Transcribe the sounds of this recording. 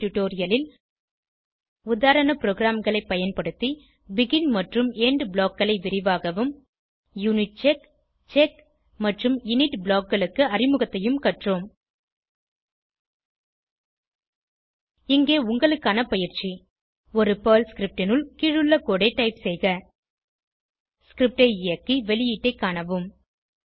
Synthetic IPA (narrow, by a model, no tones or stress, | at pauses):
ʈʊʈoːɾɪjɐlɪl | ʊðaːɾɐnɐpɾoːɣɪɾaːmɣɐɭɐɪpːɐjɐnpɐɽɯt̪ːi | bɪɣɪnmɐʈrɯmeːɳɖbɭoːkːɐɭɐɪʋɪɾɪʋaːɣɐʋɯm | junɪʈ̚t͡ʃek | t͡ʃek | mɐʈrɯmɪnɪʈbɭoaːkɡɐɭɯkːɯɐrɪmɯɣɐt̪ːɐjɯmkɐʈroːm | ɪŋɡeːʊŋɡɐɭɯkːaːnɐpɐjɪɾt͡ʃi | ɔɾɯpɐːlskɾɪp̚ʈɪnɯlkiɻɯɭːɐkːoːɽɐɪʈːɐɪpsɛjɣɐ | skɾɪp̚ʈɐɪɪjɐkːiʋɛlɪjiːʈːɐɪkːaːɳɐʋɯm